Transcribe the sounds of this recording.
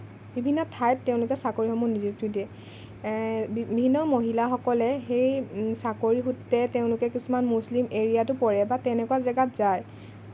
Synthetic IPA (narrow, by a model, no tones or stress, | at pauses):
bibʱinːɔtʰajp̚teʊ̃lʊkɛsakoɹixɔmunizik̚tudiɛ | bibʱinːɔmoɦilaxɔkɔlɛxejsakoɹixutːɛteʊ̃lʊkɛkisumanmuslimeɹijatʊpɔɹɛbatɛnɛkuwazɛɡatzaj